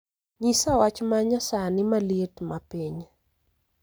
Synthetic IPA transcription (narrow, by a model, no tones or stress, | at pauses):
ɲisawat͡ʃmaɲasanɪmaletmapiɲ